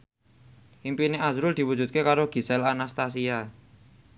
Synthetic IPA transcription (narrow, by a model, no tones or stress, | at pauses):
ʔimpineʔazɾʊld̪̥i̤wu̥d͡ʒṳt̪̚kekaɾoɡ̥i̤sɛlanast̪as̬ia